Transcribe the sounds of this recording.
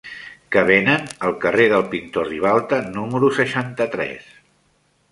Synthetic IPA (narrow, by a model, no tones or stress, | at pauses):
kəβ̞enənəlˠkəreðəlˠpint̪oriβ̞alˠt̪ənuməɾusəʃant̪ət̪ɾɛ̰s